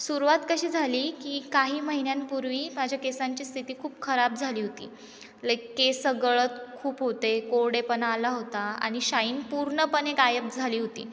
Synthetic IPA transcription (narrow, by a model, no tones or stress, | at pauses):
suɾuʋat̪kəɕiːd͡zʱaliːkiːkaɦiːməɦinjanpuɾʋiːmad͡ʑʱjakesaɲt͡ɕiːst̪ʰit̪iːkʰuːpkʰəɾab̚d͡zʱaliːɦot̪ḭː | ləkesəɡəɭət̪kʰuːpɦot̪ekoɽepənalaɦot̪aa̰ɽ̃iɕaiːnpuɾɳəpənekajəp̚d͡zʱaliːɦot̪ḭː